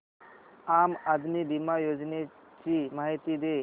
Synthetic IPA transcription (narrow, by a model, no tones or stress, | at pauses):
aːmɐd̪ʱnibimajoːd͡ʒne | t͡ʃimaːɦit̪id̪e